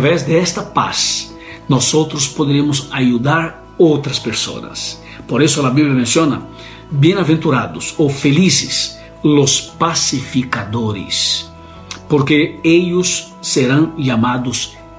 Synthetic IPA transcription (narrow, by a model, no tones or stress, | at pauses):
vezd̪eɛst̪ɐpa̰s | nosot̪ɾospod̪eɾemʊsajud̪aɾ | owt̪ɾɐspeɾso̰nɐ̰s | poɾesolabiβljamẽnsjonɐ̰ | bjẽnavẽnt̪uɾad̪ʊsofelisɪs | lospasifikad̪oɾɪ̰s | poɾkeeʎʊsː | eɾãŋʒamad̪ʊs